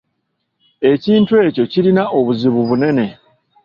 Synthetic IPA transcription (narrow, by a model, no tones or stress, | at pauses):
e̞ciːntwe̞ːco̞ciɾinaʔo̞βuziβuβune̞ne̞